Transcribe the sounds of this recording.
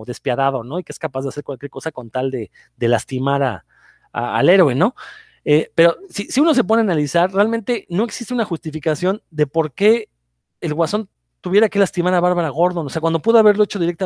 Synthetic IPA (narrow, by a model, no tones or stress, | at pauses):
ðe̞spjaðaðo̞no̞ikeeskapazðeaseɾkwalkje̞ɾko̞sako̞nt̪ald̪e̞ | d̪e̞last̪imaɾa̰ | a̰a̰le̞ɾwe̞no̞ | epe̞ɾo̞sisiuno̞s̬e̞p̬o̞ðeanalisaɾrealment̪e̞no̞eksi̥st̪e̞unaxust̪ifikasjo̞nd̪e̞po̞ɾke̞ː | lɣwaso̞n | t̪uβjeɾake̞last̪imaɾaβaɾβaɾaɣo̞ɾðo̞noseakwand̪o̞puðoaβ̞e̞ɾlo̞e̞t͡ʃo̞ð̞iɾekt̪a